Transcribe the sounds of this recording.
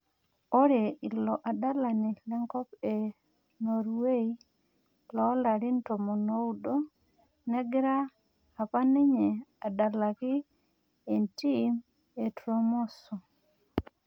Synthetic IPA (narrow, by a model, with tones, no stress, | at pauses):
o˦ɾe˨i˨lɔ˨ʔa˨da˦la˨ni˨lɛ˦ŋkɔ˦pe˨ | no˨ɾwe˦i˦ | lɔ˦la˨ɾɪ˦nto˨mɔ˨no˦u˦do˦ | nɛ˦ɡɪ˦ɾa˦ | a˨pa˦nɪ˦ɲe˨a˨da˨la˨kɪ˦ | e˨nti˦m | e˨tɾo˦mɔ˦sɔ˨